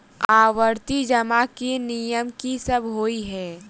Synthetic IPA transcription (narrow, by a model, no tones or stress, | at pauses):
aːwəɾt̪id͡ʒɐmakenijəmkisɐbɦoːiɦɛː